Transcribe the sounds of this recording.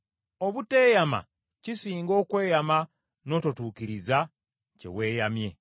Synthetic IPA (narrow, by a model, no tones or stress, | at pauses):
oβute̞ːjama̰ | cisiːŋɡo̞ːkwe̞ːjama | no̞totuːkiɾiza | ce̞̰we̞ːjamje̞̰